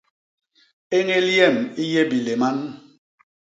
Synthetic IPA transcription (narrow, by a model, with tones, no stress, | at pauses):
e˦ŋe˦ljɛ˦˨mi˦je˦bi˨le˨ma˦n